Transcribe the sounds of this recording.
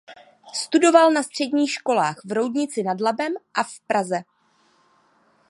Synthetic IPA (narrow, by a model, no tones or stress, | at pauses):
st̪udo̞valnast̪r̝̥ɛdɲiːxʃko̞laːxvɾo̞wdɲɪt͡sɪnadlabɛmʔafpɾazɛ